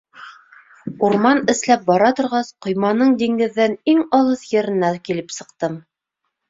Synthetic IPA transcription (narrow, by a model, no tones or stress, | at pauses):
uɾmɑnɘ̆slæp̚bɑɾɑt̪ŏɾʁɑsqŏjmɑnɤɴd̪iŋɡɘ̆ðːɘniŋɑlˠɤθjɘ̆ɾɘ̆nːækilɘpsɤ̆qt̪ɤm